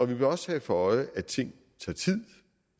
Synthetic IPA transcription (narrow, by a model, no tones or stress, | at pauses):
ɒ̽ʋib̥eɒ̽shɛfɒɒ̽ɪəæ̥t͡sʰe̝ŋ̰ | t͡sʰɑ̰̈ːt͡sʰið̰ˠ